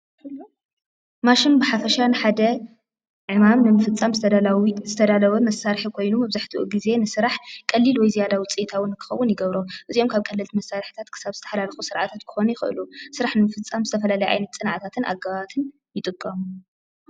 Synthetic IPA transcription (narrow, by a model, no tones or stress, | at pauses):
maʃɪnbɨħafɐʃanɨħad̪ɐ | ʕɨmamnɨmɨfɨt͡sʼːamzɨzɨt̪ʰɐd̪alɐβɐmɐsaɾħikʰo̞jnumɐβzaħt̪ʰiʔuɡize̞nɨsɨɾaħkʼɐlːilwɔjzijad̪awʊt͡sʼit̪ʰawɨnkʰɨ̥xɐwːʊnjɪɡɐβɾo̞ʔɨzijomkʰaβkʼɐlːɨlt̪imɐsːaɾħɨ̥t̪ʰat̪kʰɨ̥saβz̥ɨt̪ʰɐ̥ħlalxusɨɾʕat̪ʰat̪kʰɨ̥xo̞nujɪxɨ̰ʔɨ̰lusɨɾaħnɨmɨfɨt͡sʼːamzɨt̪ʰɐfɐlalɐjʔa̰jnɐt̪t͡sʼɨnʕat̪ʰat̪ʰɨnʔa̰ɡːaβat̪ʰɨn | jɪt̪ʼɨkʼːɐmu